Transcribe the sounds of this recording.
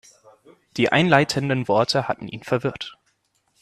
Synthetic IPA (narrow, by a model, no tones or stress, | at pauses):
d̥iːʔa̰ɪnlaɪtʰəndənvɔɐtʰəhatn̩ʔḭːnfɛɐvɪɐt